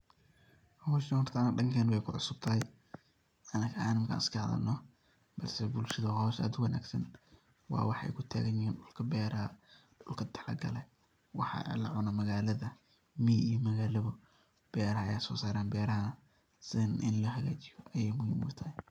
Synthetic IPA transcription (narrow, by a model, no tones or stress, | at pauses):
hɔːʃnɐʊrt̪ʰaːnɐɖɐŋkʰɛːnwɛjkʰʊʕʊsʊb̥̚t̪ʰɐɦɛj | ʔɐnɐkʰɐaːnɪmkʰa̰ːnɪskʰɐʕðɐ̰nɔ | b̥ɐlsɛbʊlʃɐðɐhɔwʃa̰ːd̪wɐna̰ːɡsɐn | wɑ̰ːwɑħʔɛ̰jkʰʊt̪ʰa̰ːɣɐɲɪhiːnɖʊlkʰɐbɛːɾɐɐɖʊlkʰɐt̪ʰɐlɐ̰ɡɐ̰lɛ | wɑħɑ̰ːɛ̰lɐʕʊnɐmɐɣaːlɐðɐ | miːijmɐɣaːlɐβʊ | b̥ɛːɾɐhɐɐ̰jaːsɔ̰ːsaːɾaːnbɛːɾɐɦɐnɐ | sɪnʔɪ̰nlɐɦɐɣaːt͡ʃɪjɔʔɐjɛːjmʊhimʊt̪ʰɐɛ